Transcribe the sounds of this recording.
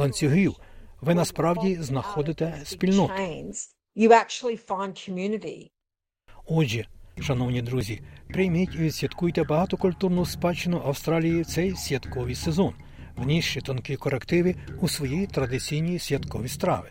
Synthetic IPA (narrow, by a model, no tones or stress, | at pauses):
ɐnʲt͡sʲsʲiɦuʋɪnɐspɾɑwdʲiznɐxɔd̪ɪt̪ɛspʲilʲnɔeɪ̃nz̥ | jɨæk̚t͡ʃul̩ˠifãɪ̃nkʰmjʉnɨɾḭ | ɔd͡ʒiʃɐnɔwnʲid̪ɾuzʲipɾɪjmɪtʲiʋʲid̪sʲʋʲɐt̪kujet̪ɛbɐɦɑt̪ɔkʊlʲt̪urnʊʊspɑt͡ʃɪnʊʔɐwst̪ɾɑlʲijit̪sɛjsʲʋʲɐt̪kɔʋijsezɔn | ʋnʲiʃt͡ʃit̪ɔnkɪkɔɾekt̪ɪʋɪusʋɔjijit̪ɾɐd̪ɪt͡sʲijnʲijisʲʋʲjɐt̪kɔʋʲist̪ɾɑ̰ʋɪ